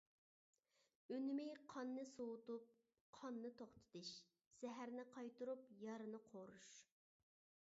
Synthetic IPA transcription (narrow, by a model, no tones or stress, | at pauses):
ønmɪjqʰɑnːɨsowʊt̪up̚ | qʰɑnːɨt̪ʰoχt̪ʰɨ̥t̪ɨʃ | sɛɦæɾnɪqʰɑjt̪uɾupjɑɾɨnɨqʰoɾuʃ